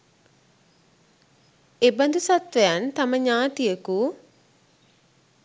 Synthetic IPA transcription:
eband̪usat̪ʋejant̪aməɲaːt̪ijəku

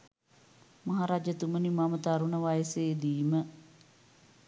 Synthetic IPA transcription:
mɐɦaːɾaːd͡ʒət̪umənimamət̪aɾuɳəʋajəseːd̪iːmə

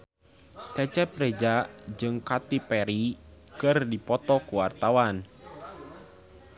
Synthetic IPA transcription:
t͡ʃɛt͡ʃɛpɾed͡ʒaʔd͡ʒɨŋkat̪ipɛɾi | kɨrdipɔt̪ɔkuwart̪awan

